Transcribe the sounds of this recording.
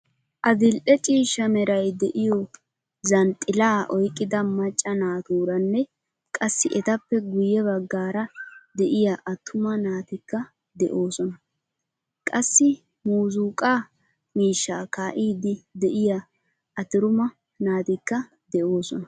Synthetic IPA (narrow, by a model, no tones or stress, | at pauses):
ʔɐzɪlʔɛt͡ʃʼiːʃːɐmɛɾɐjd̪ɛʔɪjɔ | zɐnt̪ʼːɪlaːʔɔjkʼːɪd̪ɐmɐt͡ʃʼːɐnaːt̪uːɾɐnːɛ | kʼɐsːɪʔɛt̪ɐpːɛɡʊjɛβɐɡːaːɾɐd̪ɛʔɪjɐʔɐt̪ʰːʊmɐnaːt̪ɪkːɐ | d̪ɛʔo̞ːsɔnɐ | kʼɐsːɪ | muːzuːkʼaː | miːʃːaːkaːʔiːd̪ɪd̪ɛʔɪjɐ | ɐt̪ɪɾʊmɐ | naːt̪ɪkːɐ | d̪ɛʔo̞ːsɔnɐ